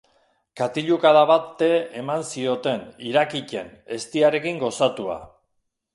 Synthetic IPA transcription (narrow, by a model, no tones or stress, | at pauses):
kat̪iʎukaðaβat̪ːe̞emansio̞t̪e̞niɾakice̞ne̞st̪iaɾe̞kiŋɡo̞sat̪ua̰